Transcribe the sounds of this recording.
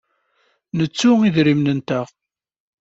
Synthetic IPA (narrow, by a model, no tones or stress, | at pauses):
nət͡sːʊiðɾimnənt̪æʁ